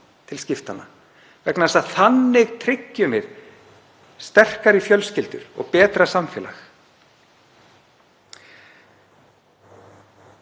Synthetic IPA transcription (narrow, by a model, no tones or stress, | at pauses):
t̪ʰɪlscɪft̪anːa | vɛknasaðθanːɪɣt̪ʰɾɪcːʏmɛɾ | st̪ɛr̥kaɾɪfjœlscɪlt̪ʏ̰ɾɔ̰ɣpɛːt̪ɾasamfɛːla̰x